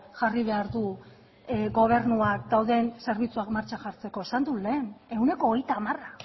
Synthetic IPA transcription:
ʝariβ̞e̞aɾðu | ɡo̞β̞e̞ɾnuakd̪awðe̞nse̞ɾβ̞it͡suakmaɾt͡ʃaʝaɾt͡se̞ko̞esand̪ule̞ːne̞une̞ko̞ːɣejt̪aːmara

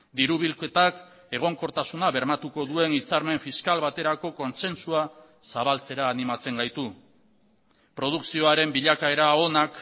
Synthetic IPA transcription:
d̪iɾuβilke̞t̪ak | e̞ɣ̞o̞ŋko̞ɾt̪asunaβe̞ɾmat̪uko̞ðue̞nit͡saɾme̞ɱfiskalβat̪e̞ɾako̞ko̞nse̞nsua | saβalt͡se̞ɾaːnimat͡se̞ŋɡajt̪u | pɾo̞ð̞uksio̞aɾe̞mbiʎakae̞ɾao̞nak

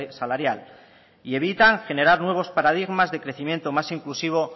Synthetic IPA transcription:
salaɾjal | ie̞β̞it̪aŋxe̞ne̞ɾaɾnwe̞β̞o̞spaɾað̞iɣmazðe̞kɾe̞θimje̞nt̪o̞masiŋklusiβo̞

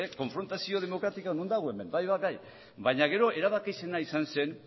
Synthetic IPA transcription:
eko̞ɱfɾo̞nt̪asio̞ð̞e̞mo̞kɾat̪ikanund̪aɣ̞oe̞me̞nbajβaɡaj | baɲaɣe̞ɾo̞ʔe̞ɾaβ̞akise̞naisanse̞n

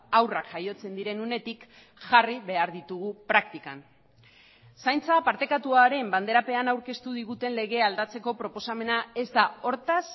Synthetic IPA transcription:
awrakʝajo̞t͡se̞nd̪iɾe̞nune̞t̪ik | ʝariβe̞aɾðit̪uɣ̞upɾak̚t̪ika̰n | sajnt͡sapaɾt̪e̞kat̪uaɾe̞mband̪e̞ɾape̞anawɾke̞st̪uð̞iɣut̪e̞nle̞ɣ̞e̞ald̪at͡se̞ko̞pɾo̞po̞same̞nae̞zd̪ao̞ɾt̪as

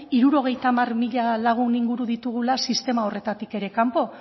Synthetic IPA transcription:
iɾuɾo̞ɣ̞e̞jt̪amarmiʎalaɣ̞uniŋɡuɾuðit̪uɣ̞ulasist̪e̞mao̞re̞t̪at̪ike̞ɾe̞kampo̞

